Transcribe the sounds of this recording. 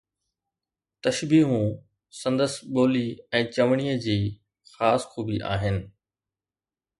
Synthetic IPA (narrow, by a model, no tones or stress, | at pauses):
t̪ɐʃbiːɦũ | sɐ̃nd̪əsɓoːliɛ̃ːt͡ɕɐʋɽ̃ijəd͡ʑiː | xaːsxʰuːbiʔa̰ːɦɪnɪ̆